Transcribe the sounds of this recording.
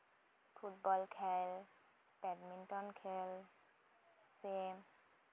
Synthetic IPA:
pʰutbɔlkʰɛl | pɛdmintɔnkʰɛl | sem

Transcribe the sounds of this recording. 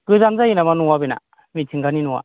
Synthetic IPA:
ɡɯzamzajinamanuwabina̰ | mitʰiŋɡaninuwa̰

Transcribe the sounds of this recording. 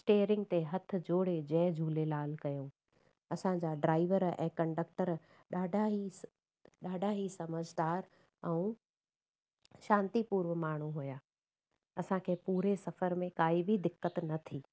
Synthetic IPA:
sʈeːɾɪ̃ŋɡ̚t̪eɦɐt̪ʰʊ̆d͡ʑoːɽed͡ʑɐːd͡ʑʱuːlelaːlkɐjõ | ɐsãd͡ʑaːɖɾaːɪʋəɾɛ̰̃ːkɐ̃ɳɖək̚ʈəɾ | ɗaːɖʱaɦi | ɗaːɖʱaɦisɐməd͡ʑʱd̪aːɾ | ɛũ | ʃãːnt̪ipuːɾʋəmaːɳ̤uɦujaː | ɐsãkʰeːpuːɾesɐfəɾmẽkaːibʱid̪ɪkːət̪nɐt̪ʰiː

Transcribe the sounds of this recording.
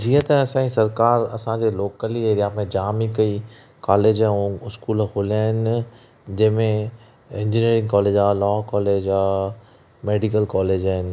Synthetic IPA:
d͡ʑiːət̪ɐɐsãːĩsɐɾkaːɾɐsãd͡ʑeloːkəlieːɾijaːmẽd͡ʑaːmikɐi | kaːleːd͡ʑãũɪskuːlkʰoːliaːɦɪn | d͡ʑɐ̃ɦmẽ | ɪ̃ɲd͡ʑiniːɾɪ̃ŋɡkɔːleːd͡ʒaːlɔːkɔːleːd͡ʑaː | meːɖikəlkɔːleːd͡ʑaːɦɪn

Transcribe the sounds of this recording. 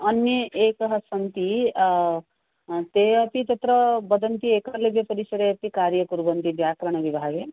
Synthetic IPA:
ʌnjʌʔekʌɦʌsʌnt̪i | t̪eapit̪ʌt̪ɾʌbʌd̪ʌnt̪iekʌlebjʌpʌɾisʌɾeapikaɾjʌkuɾbʌnt̪ibjakɾəɽ̃ʌbibʱaɡe

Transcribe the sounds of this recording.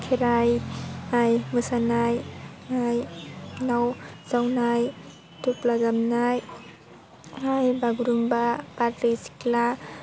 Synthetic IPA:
kʰeɾajajmɯsanajajnawz̥awnaj | tuplaɡamnaj | ajbaɡuɾumbapatɾejsi̥kla

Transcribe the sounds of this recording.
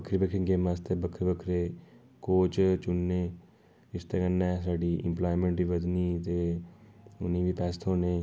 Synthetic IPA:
bəkʰɾibəkʰɾẽŋɡeːmast̪ʰeːbəkʰɾiːbəkʰɾeː | koːt͡ʃt͡ʃʊnːeː | ɪst̪eːkənːɛːsaːɖiːʔɪ̰̃mplaːimẽɳʈbiːʋəd̪niːt̪e | ʊnĩːbiːpɛːst̪ʰɦoːneː

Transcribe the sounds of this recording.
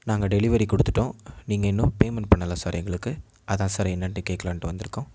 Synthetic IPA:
naːŋɡɐɖɛlɪʋɐɾikɔɽɯt̪ːɯ̥ʈːõːniːŋɡɐɪnːɯ̃peːmɛnʈpɐɳːɐlasaːɾɛŋɡɐɭɯkːɯ | ɐðãːsaːɾɛnːɐnʈːɯkeːʈkːɐlʋaːnʈːɯʋɐnd̪ɪɾɯkːʊ̃ː

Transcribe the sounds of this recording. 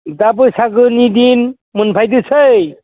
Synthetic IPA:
dabɯsaɡɯnid̪in | munpʰajd̪ɯsʰɯj

